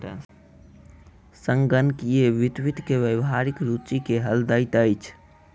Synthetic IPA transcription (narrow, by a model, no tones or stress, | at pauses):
sə̃ŋɡənkieʋit̪wit̪keʋewɦaɾikɾut͡ʃikeɦəld̪əjt̪əjt͡ʃʰ